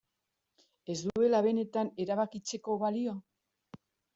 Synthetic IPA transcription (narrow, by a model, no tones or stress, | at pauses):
e̞zd̪ue̞laβe̞ne̞t̪ane̞ɾaβ̞akit͡se̞ko̞βalio̞